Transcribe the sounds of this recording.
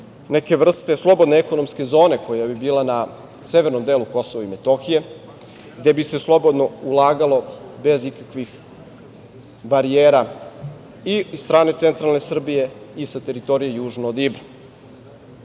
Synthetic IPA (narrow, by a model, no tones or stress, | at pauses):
neke̞ʋr̩st̪e̞slˠo̞bo̞d̪neeko̞no̞mske̞zo̞ːne̞kʰojabibiːlana | se̞ʋe̞ɾno̞md̪eːluko̞so̞ʋaime̞t̪o̞xije̞ | ɡd̪e̞bise̞slˠo̞bo̞d̪no̞ulˠaːɡalo̞be̞zikakʋix | baɾijeːɾa | iisst̪ɾaːne̞t̪se̞nt̪ɾalne̞sr̩bije̞isat̪e̞ɾit̪o̞ɾijejuːʒnood̪ibɾa